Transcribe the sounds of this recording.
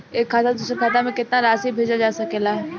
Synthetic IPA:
eːkʰːaːt̪ad̪uːsɾekʰaːt̪amẽkɪt̪naɾaːsibʱeːd͡ʒad͡ʒaːsɐkelaɦɛ

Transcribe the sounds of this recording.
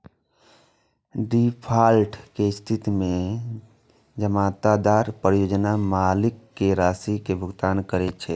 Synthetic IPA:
ɖipʰaːlʈkest̪ʰit̪mẽ | d͡ʒəmaːt̪ad̪aːɾpɾjoːd͡ʒnamaːlɪkːeɾaːsikebʱʊɡt̪aːnkəɾɛt͡ʃʰɛ

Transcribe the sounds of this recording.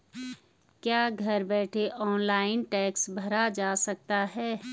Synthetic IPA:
kjaːɡʱɐɾbɛːʈʰeʔɔːnlaːɪnʈɛːksbʱɐɾad͡ʒaːsɐk̚t̪aɦɛː

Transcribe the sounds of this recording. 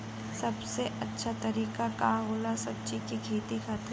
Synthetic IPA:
sɐbseʔɐtːʃʰat̪ɐɾiːkakaɦoːlasɐb̚t͡ʃikikʰeːt̪ixaːt̪

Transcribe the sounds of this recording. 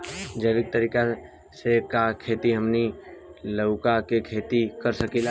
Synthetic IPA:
d͡ʒəʋɪk̚t̪əɾiːka | sekakʰeːt̪iɦəmniləʊkakekʰeːt̪ikəɾsəkila

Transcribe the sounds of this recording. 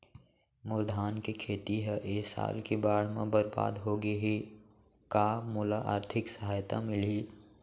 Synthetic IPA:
mʊɾd̪ʱaːnkekʰeːt̪iɦɛʔeːsa̰ːlkebaːɽ̤mẽbəɾba̰ːd̪ɦoɡeɦi | kaːmʊlaʔa̰ːɾt̪ʰɪksəɦaːjt̪a̰mɪli

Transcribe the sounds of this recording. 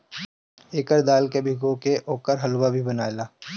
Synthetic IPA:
eːkəɾd̪aːlkebʱɪɡõkeʔoːkəɾɦɐlwabʱibɐnaːelaː

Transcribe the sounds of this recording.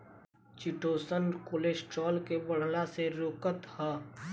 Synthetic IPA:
t͡ʃɪʈoːsənkoːleːsʈɾɔːlkebəɽ̤laseɾoːkət̪hə

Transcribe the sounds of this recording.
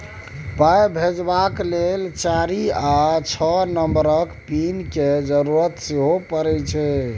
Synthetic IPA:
pajbʱed͡ʒbaklelt͡ʃaɾiat͡ʃʰɔnəmbɾəkpinked͡ʒəɾuɾət̪siɦopəɾɛt͡ʃʰɛ

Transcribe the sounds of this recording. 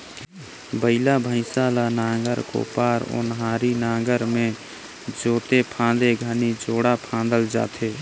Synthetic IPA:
bəɪlabʱə̃ɪsaːlanaːɡəɾko̰ːpaːɾo̰ːnɦaːɾinaːɡəɾmẽ | d͡ʒoːt̪epʰãːd̪eɡʱanid͡ʒoːɽapʰãːnd̪əld͡ʒa̰ːt̪ʰeː

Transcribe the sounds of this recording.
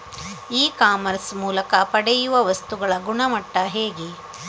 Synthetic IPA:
iːkaːmɐɾsmuːlɐkɐpɐɽɛjuʋɐʋɐst̪uɡɐɭɐɡuɳɐmɐʈːɐɦeːɡi

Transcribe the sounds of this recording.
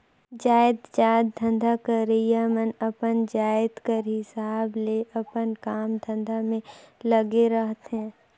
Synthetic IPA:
d͡ʒaːɪd̪d͡ʒaːd̪ːʱə̃nd̪ʱakəɾejamənəpənd͡ʒaːɪd̪kəɾɦɪsaːbleʔɐpənkaːmd̪ʱə̃nd̪ʱamẽləɡeɾəɦt̪ɦɛ̃ː

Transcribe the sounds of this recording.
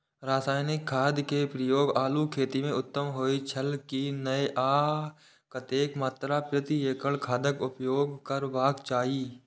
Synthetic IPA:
ɾaːsaːjnɪkʰːaːd̪kepɾəjoːɡaːlukʰeːt̪imẽʊt̪ːəmɦoːit͡ʃʰəlkinəeʔaː | kət̪eːkmaːt̪ɾapɾɪt̪ieːkəlkʰaːd̪əkʊpjoːɡkəɾbaːkt͡ʃaːiː

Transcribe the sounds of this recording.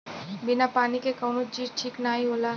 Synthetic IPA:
binapaːnikekəwnot͡ʃiːʈʰiːknaːɦiɦolaː

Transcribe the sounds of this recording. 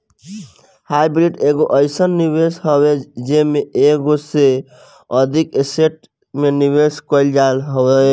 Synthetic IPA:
hajbɾiɖeɡoʔəjsənːibesɦəbed͡ʒemeeɡose | əd̪ʱikeseʈ̚ | menibeskəɪld͡ʒalɦɔbe

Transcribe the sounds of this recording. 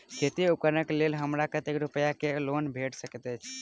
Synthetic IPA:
kʰet̪iukənəklelɦəmɾakət̪ekɾupəjakelonbʱeʈsəkɛt̪əjt͡ʃʰ

